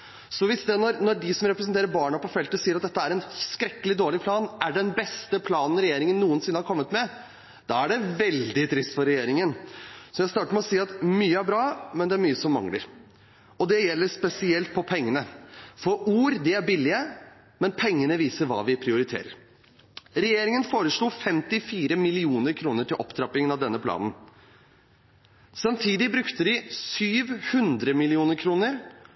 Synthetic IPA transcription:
sɔʋɪsd̪ɛnɔɾnɔɖɪsɔmɾɛpɾəs̬nt̪eːɾəɾbɑːɳɑpɔfɛlt̪əsiːəɾɑt̪d̪ɛt̪ːəæɾɛnskɾɛkːəlɪd̪oːɭɪpʰlɑːnæɖɛnbɛst̪əpʰlɑːnn̩ɾɛjeːɾɪŋənːuːənsɪnːəhɑɾkʰɔmːət̪mɛ | d̪̥ɑæɖɛʋɛld̪ɪt̪ʰɾɪst̪fɔɾɛjeːɾɪŋənsɔjæɪst̪ɑːʈəɾmɛɔsiːɑt̪myːəæɾbɾɑːmɛnd̪ɛæɾmyːəsɔmːɑ̰ŋlə̰ɾ | ɔd̪ɛjɛlːəʂpɛsɪɛlt̪̚pʰɔpʰɛŋːənəfɔɾuːɾd̪ɪæɾbɪlːɪə | mɛnpʰɛŋːənəʋiːsəɾʋɑ̰ːʋɪpʰɾɪʊɾɪt̪ʰḛːɾə̰ɾ | ɾɛjeːɾɪŋənfoːɾəʂɭuːfɛmt̪ɪfiːɾəmɪlɪuːnəɾkʰɾuːnəʈʰɪlʔɔ̰pt̪ʰɾɑpɪŋənɑʋd̪ɛnːəpʰlɑ̰ːd̪n̩ | sɑmt̪ʰiːd̪ɪbɾʉkt̪əd̪ɪsyːʋhʉnd̪ɾəmɪlɪuːnəɾkʰɾuːnəɾ

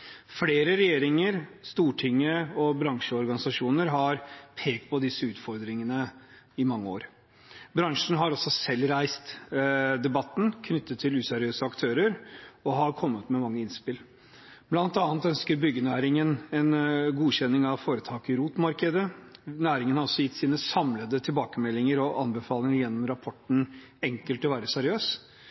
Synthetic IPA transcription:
fleːɾəɾɛjeːɾɪŋəɾst̪uːʈʰɪŋːəɔbɾɑŋʂəɔɾɡɑnɪsɑʂuːnəɾɦɑɾpʰeːkt̪̚pʰɔd̪ɪsːəʉːt̪fɔɾd̪ɾɪŋənə | ɪmɑŋːəo̰ːɾ | bɾɑŋʂɳ̩ɦɑɾɔsɔsɛlːɾæɪst̪d̪ɛbɑt̪ːn̩kʰnʏt̪ːət̪ʰːɪlʉːsæɾɪøːsəɑkt̪ʰøːɾəɾɔɦɑɾkʰɔmːət̪mɛmɑŋːəɪnspɪl | b̥lɑnt̪ɑnːət̪œnskəɾbʏɡːənæːɾɪŋənɛnɡuːçɛnːɪŋɑʋfoːɾət̪ʰɑːkɪɾuːt̪mɑɾkəd̪ənæːɾɪŋənhɑɾɔsːɔjɪt̪ːsiːnəsɑmləd̪ət̪ʰɪlbɑːkəmɛlːɪŋəɾɔʔɑ̰nbəfɑːlɪŋəɾjɛnːɔmɾɑpʰɔʈːn̩ | ɛŋkəlt̪ɔʋæːɾəsæɾɪøːs

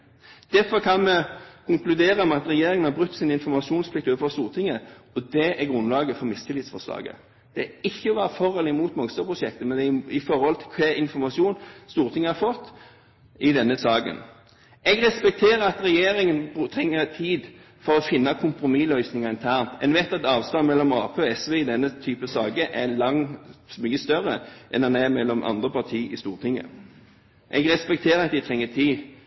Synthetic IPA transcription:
d̪̥æfɔʁkʰɑnmɛkʰʊŋklʉd̪eːɾəmɛɑt̪ɾɛjeːɾɪŋənhɑɾbʁʉt̪ːsiːnɪnfɔɾmɑʂuːnspʰlɪk̚t̪oːəfɔʁst̪uːʁt̪ʰɪŋəɔd̪ɛæɾɡɾʉnlɑːɡəfɔɾmɪst̪ʰɪlɪːt̪sfɔʂlɑ̰ːɡə̰ | d̪̥ɛɪçːəʋɑːɾəfɔʁɛlɪmuːt̪mɑŋst̪əpʰɾʊʂɛkt̪əmɛnd̪ɛɪfɔɾhɔlt̪ʰɪlkʰɛɪnfɔʁmɑʂuːnst̪uːʁt̪ʰɪŋːəhɑɾfɔt̪ː | ɪd̪ɛnːəsɑːɡə̰n | ʔɛɡɾɛspɛk̚t̪ʰeːɾəɑt̪ɾɛjeːɾɪŋənbt̪ʰɾɛŋːət̪ʰiːd̪ | fɔɾɔfɪnːɑkʰʊmpɾʊmiːlœʏsnɪŋɑɪnt̪ʰæːʁnt̪ʰɛ̰nʋɛt̪ɑtt̪ɑːʋst̪ɑnmɛlːɔmɑːpʰeːɔɛsʋeːɪd̪ɛnːət̪ʰyːpəsɑːɡəʔælɑŋmyːəst̪œɾəʔɛ̰nɑnæmɛlːɔmʔɑ̰nd̪ʁəpɑt̪ʰiːʔɪst̪uːʁt̪ʰɪŋːə̰ | ʔɛ̰ɡɾɛspɛk̚t̪ʰeːɾəɑt̪̚d̪ɛɪt̪ʰʁɛŋːət̪ʰiː

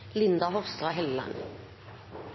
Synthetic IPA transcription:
lɪnd̪aɦɔʁst̪ʁɑɦɛlːa̰n

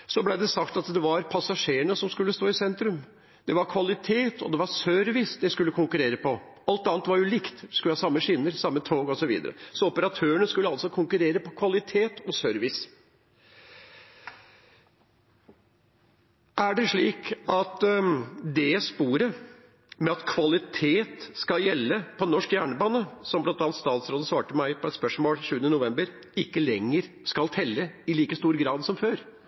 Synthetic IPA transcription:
sɔblæɪd̪ɛsɑkt̪ɑt̪d̪ɛʋɑɾpʰɑsɑʂeːəɳəsɔmskʉlːəst̪oːɪsɛnt̪ɾʉm | d̪ɛʋɑɾkʰʋɑlɪt̪ʰeːt̪ʰɔ̰d̪ɛʋɑɾsœɾʋɪsd̪ɛskʉlːəkʰʊŋkʉɾeːɾəpɔ | ɑlt̪ɑːnt̪ʋɑɾjʊlɪkt̪d̪ɛskʉləhɑːsɑmːəʂɪnːəɾsɑmːət̪ʰoːɡɔsɔʋḭːd̪ə̰ɾə̰sɔɔpəɾɑt̪ʰøːəɳəskʉlːəɑlsɔkʰʊŋkʉɾeːɾəpɔkʰʋɑlɪt̪ʰeːt̪ɔsœɾʋɪs | ʔæɖɛʂɭiːkɑt̪ | d̪ɛspuːɾə | mɛɑt̪kʰʋɑlɪt̪ʰeːt̪skɑljɛlːəpʰɔnɔʂkjæːɳəbɑːnəsɔmblɑnt̪ɑnt̪st̪ɑːnt̪sɾoːd̪əsʋɑːʈəmæɪpʰɔɛt̪spœʂmoːlʃʉːənənʊʋɛmbəɾ | ɪkːəlɛŋːəɾ | skɑlt̪ʰɛlːəɪliːkəst̪uːɾɡɾɑːd̪sɔmføːɾ

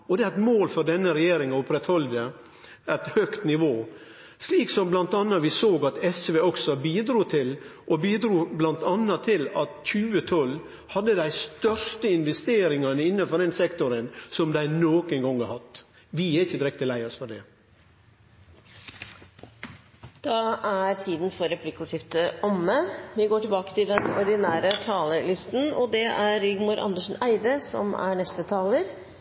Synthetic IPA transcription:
ɔd̪ɛæɾɛt̪moːlfɔɾd̪ɛnːəɾɛjeːɾɪŋɑʊpɾɛt̪hɔld̪ə | æt̪hœkt̪nɪʋoː | sliːksɔmblɑnt̪ɑnːɑʋɪsoːɡɑt̪ɛsʋeːɔksɔbiːd̪ɾuːt̪ʰɪlʔɔbiːd̪ɾuːblɑnt̪ɑnːɑt̪ʰɪlɑt̪çʉːət̪ʰɔl | hɑd̪ːəd̪æɪst̪œɾʂt̪əɪnʋɛst̪eːɾɪŋɑnəɪnːɑfɔɾd̪ɛnsɛkt̪ʊɾənsɔmd̪æɪnoːkənɡɔŋɑhɑt̪ | ʋɪɛɪçəd̪ɾɛk̚t̪ʰəlæɪɔsfɔɖɛ | d̪̥ɑʔæɾt̪ʰiːd̪n̩fɔɾɛpʰlɪkʊt̪ʰɪft̪əɔmːəʋɪɡoːʈɪlbɑːkə̥t̪ʰɪld̪ɛnɔɾɖ̪ɪnæːɾət̪ʰɑːləlɪst̪n̩ɔd̪ɛʔæɾːɪɡmuːɾʔɑ̰nd̪əʂn̩æɪd̪əsɔ̰mæ̰ɳɛst̪ət̪ʰɑːləɾ

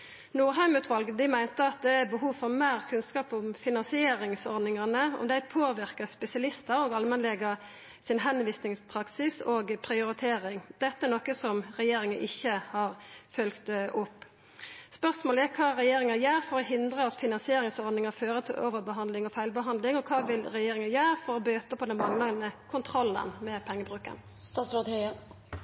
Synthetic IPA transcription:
nuːɾɦæɪmʉːt̪ʰʋɑlɡəd̪ɪmæɪnt̪əɑt̪̚d̪ɛæbəɦuːʋfɔʁmæːʁkʰʉnskɑːpʊmfɪnɑnsɪeːɾɪŋsɔɾd̪nɪŋɑnəɔ̰md̪æɪpʰoːʋɪʁkəspɛsɪɑlɪst̪əɾɔːɡɑlmɛnlɛɡə | sɪnɦɛnʋiːsnɪŋspʰʁɑksɪsoːɡpʰɾɪʊɾɪt̪ʰeːɾɪŋd̪ɛt̪ːəæɾnɔkəsɔmɾɛjeːɾɪŋəʔɪçːəhɑːʁfœlkt̪ʔʊpː | spœsmoːləɛkʰɑːɾɛjeːɾɪŋɑjæːɾfɔɾɔɦɪnd̪ɾəɑt̪fɪnɑnsɪeːɾɪŋsɔɾd̪nɪŋɑføːɾət̪ʰɪlʔo̰ːʋəbəɦɑnd̪lɪŋɔfæɪlbəɦɑnd̪lɪŋɔkʰɑːʋɪlɾɛjeːɾɪŋɑjæːɾfɔɾɔbøːt̪əpʰɔd̪ɛnmɑŋlɑnəkʰʊnt̪ʰɾɔlːə̰nmɛpʰɛŋːəbʁʉːkə̰n | st̪ɑːsɾɑhœə

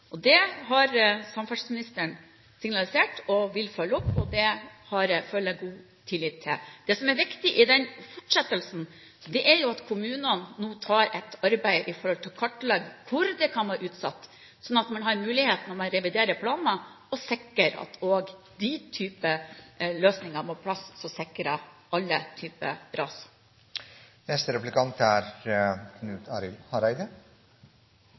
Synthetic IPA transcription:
ʔɔd̪ɛɦɑɾsɑmfɑʂsmɪnɪst̪əɳ | sɪŋnɑlɪseːʈɔʋɪlfœlːəɔpːɔd̪ɛhɑɾfølːəɡuː | t̪ʰɪlːɪːt̪ʰːɪld̪̥ɛsɔmɛɾʋɪkt̪ɪʔɪd̪ɛnfɔʈʂɛt̪ːəlsn̩ | d̪ɛʔæɾjʊɑt̪kʰʊmʉːnənnuːt̪ʰɑːɾɛt̪ːɑɾbæɪʔɪfɔɾhɔlt̪ʰɪlkʰɑʈːlɑɡkʰʊɾd̪ɛkʰɑnʋɑːɾʔʉːt̪sɑ̰t̪ː | sɔnːɑt̪mɑnɦɑɾmʉːlɪheːt̪nɔmɑnɾɛʋɪd̪eːɾəpʰlɑːnə | ɔsɛkːəɾɑ̰t̪ʰoːɡ | d̪it̪ʰyːpəløːsnɪŋəmoːpʰlɑssɔsɛkːɾəʔɑlːət̪ʰyːpə̰ɾɑːs | nɛst̪əɾɛplɪkʰɑnt̪ʰæɾkʰnʉːt̪ʰɑɾɪlhɑɾæɪd̪ə

